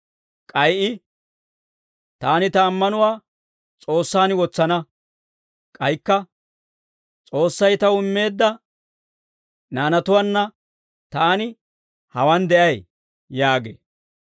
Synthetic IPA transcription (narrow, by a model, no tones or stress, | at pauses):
kʼɐjʔɪ | t̪aːnɪt̪ɐːmːɐnʊwaː | t͡sʼo̞ːsːaːnwɔt͡sːɐnɐ | kʼɐjkːɐ | t͡sʼo̞ːsːɐjt̪ɐwʊmːe̞ːd̪ːɐ | naːnɐt̪ʊwɐnːɐ | t̪aːnɪ | hɐwɐnd̪ɛʔɐj | jaːɡḛː